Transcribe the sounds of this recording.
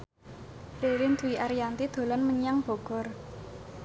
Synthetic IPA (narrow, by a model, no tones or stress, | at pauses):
ɾeɾɪnd̪uwiʔaɾijant̪id̪̥o̤lanməɲaŋb̥o̤ɡ̥ɔ̤r